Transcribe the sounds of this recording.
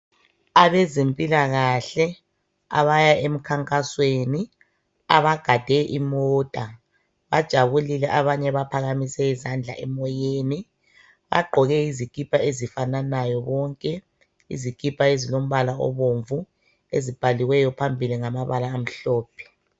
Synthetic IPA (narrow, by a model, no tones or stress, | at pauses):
aβɛzempʼilaɣaɬɛ | a̰βajaem̩kʰaŋkʼasweni | a̰βaɡ̥ʱad̥ʱɛʔimɔːtʼa | βad̥ʒ̥ʱaβulilɛʔaβaɲɛβapʰaɣamisɛizand͡ɮʱa̰ʔɛmɔjeːni | βa̰ɡ͡ǃʱɔɣɛizikʼipʰʼaezifananajɔβɔŋkʼɛ | ḭzikʼipʰʼaezilom̩βalaɔ̰βoɱvu | ezib̥ʱaliwɛjɔpʰambʱiliŋamaβalaːm̩ɬɔːpʰɛ̥